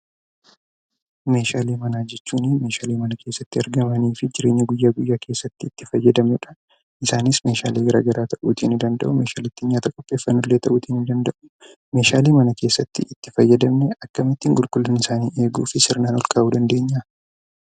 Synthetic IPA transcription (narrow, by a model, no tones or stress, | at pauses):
me̞ːʃaːleːmɐnaːd͡ʒɛt͡ʃːuːnɪme̞ːʃaːleːmɐnɐkʰe̞ːsːɐt̪ːɪɐɾɡɐmɐniːfɪd͡ʒɪɾe̞ːɲːɐɡʊjːaːɡʊjːaːkʰe̞ːsːɐt̪ːɪt̪ːɪfɐjːɐd̪ɐmɛᶑɐ̥ | ʔɪsaːnɪsme̞ːʃa̰ːleːɡɐɾa̰ːɡɐɾaːt̪ɐʔuːt̪ʰiːnɪd̪ɐnd̪ɐ̰ʔʊme̞ːʃaːlɪt̪ːɪɲɲaːt̪ɐkʼɔpʼːe̞ːfːɐnːʊlːe̞ːt̪ɐʔuːt̪iːnɪnd̪ɐnd̪ɐʔʊ̥ | me̞ːʃaːleːmɐnɐke̞ːsːɐt̪ːɪʔɪt̪ːɪfɐjːɐd̪ɐmnɛɐkːɐmɪt̪ːiːŋɡʊlkʼʊlːɐnɪsaːniːe̞ːɡṵːfɪsɪɾnaːnɔlkʼɐaːʔuːd̪ɐnd̪e̞ːɲːa